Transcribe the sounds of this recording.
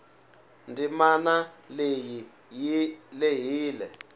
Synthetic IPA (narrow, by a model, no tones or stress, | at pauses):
ndʱimanaleji | leɦiːlɛ